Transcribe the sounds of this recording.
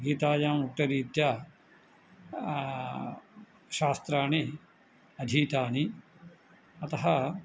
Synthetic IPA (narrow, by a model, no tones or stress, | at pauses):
ɡiːt̪aːjaːmuʈːɐɾiːt̪ja | ʃaːst̪ɾaːɳi | ɐd̪ʱiːt̪aːɳi | ɐt̪ɐɦɐ